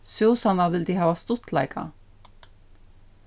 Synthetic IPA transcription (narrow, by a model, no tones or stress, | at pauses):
sjowsanaʋɪld̪iɦaːvast̪ʊt̪la̰jka̰